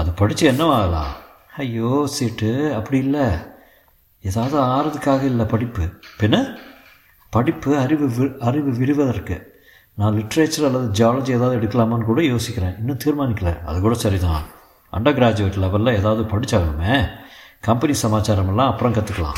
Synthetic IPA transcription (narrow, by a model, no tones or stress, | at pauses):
ɐðɯpɐɽɪt͡ʃːɯɛnːɐʋaːɣɐlã̰ː | ɐjoːsɪʈːɯɐpːɐɽɪjɪlːɐ | eːðaːʋɐðɯaːɾɐðɯkːaːɣɐɪlːɐpɐɽɪpːɯpɪnɐ | pɐɽɪpːɯɐɾɪʋɯʋɐɾɪʋɯʋɪɾɪʋɐðɐɾkɯ | nãːlɪʈːɐɾeːt͡ʃɐɾɐlːɐðɯd͡ʒaːlɐd͡ʒieːðaːʋðɯɛɽɯkːɐlaːmɐːnːɯkuːɽɐjoːsɪkʲːɪɾẽːɪnːɯ̃t̪iːɾmaːnɪkːɐlɐɐ̰ðɯkuːɽɐsɐɾit̪ãː | ʔɐ̰ɳɖɐɡɾaːd͡ʒɯʋɐʈːɪlɐʋɐlãeːðaːʋɐðɯpɐɽɪt͡ʃːaːɣɐɯmeːkɐmpɐnisɐmaːt͡ʃaːɾɐmɛlːãːɐpːɯɽɐ̃kɐt̪ːɯkːɐlã̰ː